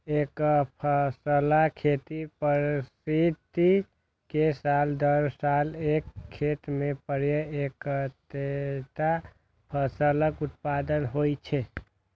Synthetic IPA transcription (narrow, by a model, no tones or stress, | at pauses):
ekpʰəsəlakʰet̪ipəɾsid̪ | i | kesald̪əɾsalekʰːet̪mepəɾjəekt̪et̪a | pʰəsələkut̪̚pad̪ənɦojt͡ʃʰɛ